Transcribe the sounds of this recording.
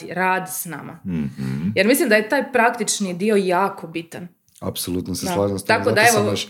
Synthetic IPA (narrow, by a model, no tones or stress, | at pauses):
iɾaːd̪sna̰ma̰ | jeɾmislimd̪ajet̪aːjpɾakt̪it͡ʃnid̪io̞jaːko̞bit̪an | a̰psolˠut̪nosesllˠaːʒimst̪t̪ak̪od̪aeʋo